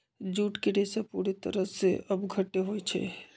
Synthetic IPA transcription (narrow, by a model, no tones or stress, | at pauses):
d͡ʒuːʈkeɖesepuɾet̪ə̰ɾəseəbɡʱəʈːeɦojt͡ʃʰɛ̰